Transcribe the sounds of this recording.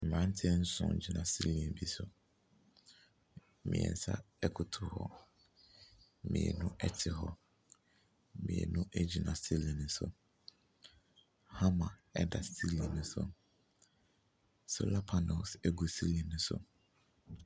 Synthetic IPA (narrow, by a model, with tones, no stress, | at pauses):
m̩˨ɾã˦n˦tʰɪ˦n̩˦sʊ̰̃˨d͡ʑi˨nã˨si˦li˨ɛ˨nbi˦sʊ̰˦ | mɪ̰̃˨ɛ̰̃˨n̩˨˦sa̰˦ | ɛ˦kʰʊ˨tʰʊ˨hɔ̰˦ | mḭ̃˨ɛ̰˨nʊ̃˦ɛ˦tʰɪ˨ɦɔ˦ | mḭ̃˨ɛ̰˨nʊ̃˦ʔɛ˦d͡ʑi˨nã˨si˦lĩ˨nʊ̃˨sʊ̰˦ | ha˦mã˨ɛ˦da˨sti˦li˨nʊ̃˦sʊ̰˦ | sʊ̰˦˨la˦pʰa˨nɔ˨sɛ˦ɡu˨si˦li˨nʊ̃˦sʊ̰˦